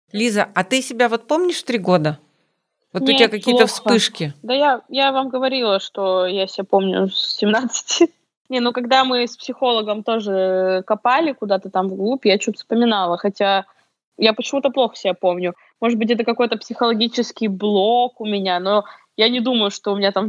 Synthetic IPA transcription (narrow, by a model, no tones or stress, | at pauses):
lʲizəɐt̪ɨsʲɪbʲavo̞t̪̚pomnʲɪʂt̪ɾʲiɡo̞d̪ə | vonʲʊteɪbʲakɐkʲij̪t̪əfsspɨʂkʲɪd̪əjajavamɡəvɐɾʲilˠəʂt̪o̞jasʲɪbʲapo̞mnʲʊ̰sːʲɪmnat̪sɨ̥tʲɪ | nʲenukɐɡd̪amɨspsʲɪxo̞lˠəɡəmt̪o̞ʐɨkɐpalʲɪkʊd̪at̪ət̪amvɡlˠupʲjat͡ɕut̪ə̥fspəmʲɪnalˠəxɐtʲa | japət͡ɕɪmut̪əplˠo̞xə̥sʲɪbʲapo̞mnʲʊ | mo̞ʐɨd̪bɨt̬ʲɛt̪əkɐko̞jt̪əpsʲɪxəlˠɐɡʲit͡ɕɪskʲɪjblˠokʊmʲɪnʲano̞ | janʲɪd̪uməjʊʂt̪oʊmʲɪnʲat̪am